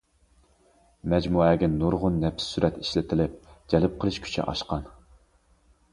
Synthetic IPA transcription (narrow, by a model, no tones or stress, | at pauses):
mɛd͡ʒmuɛɡʲɪnnːuɾʁʊnːɛpʰɪ̥sːyɾʔɛt̪i̥ʃlɪt̪ʰɪlɪp̚d͡ʒɛlɪp̚qʰəlˠɨʃkʲʰy̥t͡ʃʰɛ̰ʔɑ̰ʃqɑn